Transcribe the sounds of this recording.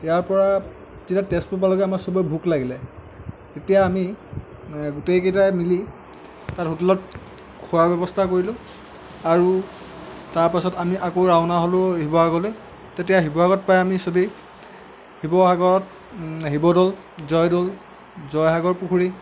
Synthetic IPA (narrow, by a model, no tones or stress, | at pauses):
jaɹpɔɹa | titatɛspupalɔɡɛamaɹsobɔjbʱuklaɡilɛ | tetijaːmi | ɡutejkejtajmili | tatutulɔt̚ | kʰuabɛbɔstʰakoɹilʊ̃ | aɹu | taɹpasɔtamiʔakoɹaʊnaɦolʊɦibɔɦaɡɔle | tetijaɦibɔɦaɡɔt̚pajamisobi | hibɔɦaɡɔɹɔt | ɦibɔdɔl | zɔjdɔl | zɔjɦaɡɔɹpukʰuɹi